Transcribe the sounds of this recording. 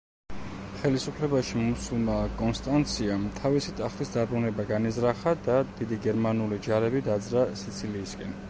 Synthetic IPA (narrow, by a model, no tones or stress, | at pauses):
χɛlisupʰlɛbaʃimusulˠmakʼɔnst̪ʼant̪sʰiamt̪ʰavisit̪ʼaχt̪ʼisd̪abɾunɛbaɡanizɾaχad̪ad̪̥id̪iɡɛɾmanulid͡ʒaɾɛbid̪ad̪zɾasit̪sʰiliːskʼɛn